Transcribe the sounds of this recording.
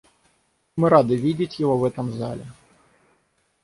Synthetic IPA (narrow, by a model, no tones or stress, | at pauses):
mɨɾad̪ɨvʲid͡zʲit͡sʲjɔɣɔvɛt̪ɐmzalʲɛ